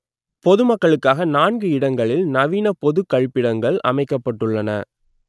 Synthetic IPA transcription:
pɔðɯmɐkːɐɭɯkːaːɣɐnaːnɡɯɪɽɐŋɡɐɭɪlnɐʋiːnɐpɔðɯkːɐɻpːɪɽɐŋɡɐɭʔɐ̰mɐɪkːɐpːɐʈːɯɭːɐnɐ̰

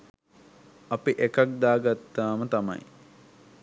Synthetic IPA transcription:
ɐpiʔekak̚d̪aːɡat̪ːaːmət̪ɐmɐ̰j

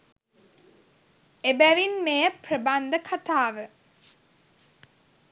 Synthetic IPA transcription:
ebæʋinmejəprəband̪əkʰat̪aːʋə

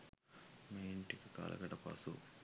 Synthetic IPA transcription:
mejɳʈikɐka̰ːlʔɐ̰ɡɐʈɐpa̰ːsṵ

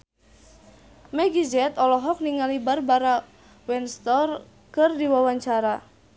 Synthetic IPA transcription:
mɛɡid͡ʒɛt̪ɔlɔɦɔk̚niŋalibarbaɾa | wɛnst̪ɔr | kɨrdiwawaɲt͡ʃaɾa

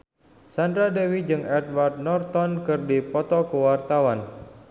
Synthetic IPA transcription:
sandɾadɛwid͡ʒɨŋɛd̚ward̪̚nɔrt̪ɔnkɨrdipɔt̪ɔkəwart̪awan

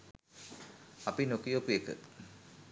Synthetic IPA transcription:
ɐpinokijokujekə̰

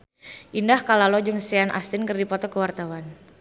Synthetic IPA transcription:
ʔindahkalalɔd͡ʒɨŋsianʔa̰st̪ɪnkɨrdipɔt̪ɔkəwart̪awan

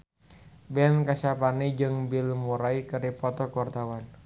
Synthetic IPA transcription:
bɛnkasapanid͡ʒɨŋbilmuɾaikəɾipɔt̪ɔkɔrt̪awan

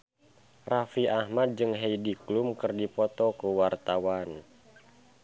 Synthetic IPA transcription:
rafiʔahmad̪̚d͡ʒɨŋɦejdiklumkɨrdipɔt̪ɔkuwart̪awan

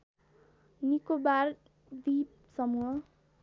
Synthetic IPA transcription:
nikobar | d̪ip̚ | sʌmuɦʌ

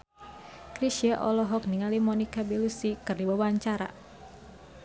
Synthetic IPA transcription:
kɾiʃiaʔɔlɔɦɔk̚niŋalimɔnikabelusikɨrdiwawaɲt͡ʃaɾa̰

